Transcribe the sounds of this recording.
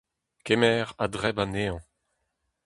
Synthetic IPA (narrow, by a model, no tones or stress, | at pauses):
kemɛːʁadʁɛbaneɑ̃